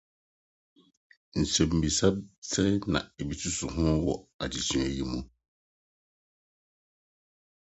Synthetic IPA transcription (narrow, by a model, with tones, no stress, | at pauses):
n̩˨sɛ̃˨mm̩˨bi˨sa˦bsɛ˦nã̰˨e˨bi˨tʰu˦sʊ˨ɦʊ̃˦wɔ̰˨a˨d͡ʑi˨t͡ɕʰĩ˦ɛ˨ji˨mũ˦